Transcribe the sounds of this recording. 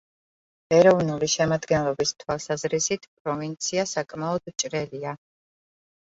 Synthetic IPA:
ɛɾɔvnuliʃɛmad̪ɡɛnlˠɔbist̪ʰwalˠsazɾisit̪ʰpʼɾɔvint̪sʰiasakʼmaɔd̪̥t͡ʃʼɾɛlia

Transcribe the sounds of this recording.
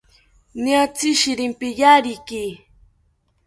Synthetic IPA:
niat͡siʃiɾimpijaɾiki

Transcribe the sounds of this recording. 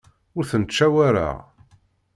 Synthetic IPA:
ʊɾθənt͡ʃːæwæɾa̰ʁ

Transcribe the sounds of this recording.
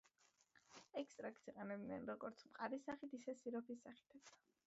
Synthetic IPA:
ɛkst̪ʼɾakt̪sʰiqʼɛnɛbinɛnɾɔɡɔɾt̪sʰmqʼaɾisaχit̪ʰisɛsiɾɔpʰisaχi̥t̪ʰɛ

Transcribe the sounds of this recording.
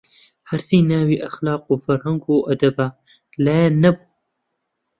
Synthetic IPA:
hɐɾsiːnaːwiːʔɐxlaːquːfɐɾhɐŋɡuːʔɐd̪ɐba | laːjanːɐbu

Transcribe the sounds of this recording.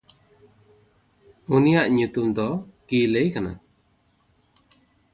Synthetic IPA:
unijaʔɲut̪umd̪ɔkilejkana̰

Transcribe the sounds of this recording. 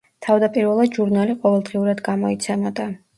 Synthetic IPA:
t̪ʰavd̪apʼiɾvɛlˠad̪ʒuɾnaliqʼɔvɛlˠd̪ʁiuɾad̪ɡamɔit̪sʰɛmɔd̪a

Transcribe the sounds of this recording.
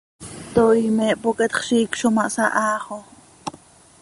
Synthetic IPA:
t̪ojmɛːʔpoket̪χʃiːkʃomaʔsaʔaːχo

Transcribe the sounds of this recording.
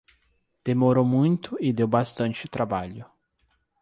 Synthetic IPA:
d̪̥emoɾowmũj̃t̪ʊɪd̪ewbast̪ɐ̃nt͡ʃɪt̪ɾabaʎʊ

